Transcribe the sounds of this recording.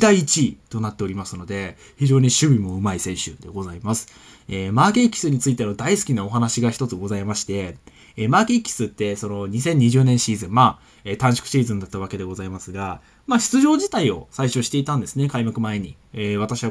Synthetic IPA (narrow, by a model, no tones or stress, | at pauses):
d̪aiːt͡ɕit̪o̞nat̪ːe̞o̞ɾʲimasɨno̞d̪e̞ | çiʑo̞ːɲ̟iɕɨbʲimo̞ɯ̟maisẽ̞ɰ̃ɕɨ̰d̪e̞ɡo̞zaimasɨ̥ | eːmaːke̞kʲːi̥sɨɲ̟it͡sɨit̪e̞no̞d̪aisɨ̥kʲinao̞ɦanaɕiɡaçi̥t̪o̞t͡sɨɡo̞zaimaɕi̥t̪e̞ | maːkekʲːi̥sɨt̪ːe̞so̞no̞ɲ̟isẽ̞ɲ̟ːiʑɨːnẽ̞ɰ̃ɕiːzɨ̃mmaː | et̪ãɰ̃ɕi̥kɯ̟̥ɕiːzɨ̃nd̪at̪ːaβ̞ake̞d̪e̞ɡo̞zaimasɨɡa | maɕi̥t͡sɨʑo̞ːʑit̪aio̞̰saiɕo̞ɕi̥t̪e̞it̪ãnd̪e̞sɨne̞kaimakɯ̟mae̞ɲ̟i | eːβ̞at̪aɕiβa